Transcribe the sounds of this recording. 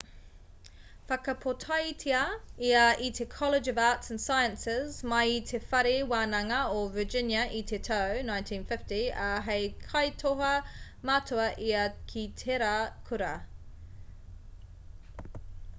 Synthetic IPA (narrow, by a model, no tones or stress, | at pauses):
fakʰəpʰotʰaitʰiəiːəʔitʰekʰɒlɪd͡ʒəvaːˑtsə̃n̩saɪə̃nsɪzmaitʰefaɾiwaːnaŋəəvəd͡ʒɪnjəʔiːtʰetʰəʊnãɪ̃ntʰĩnfɪftiəɦɛɪkʰaɪtʰoɦɐ | matʰoəʔiːəkʰitʰeɾakʰʊɾɐ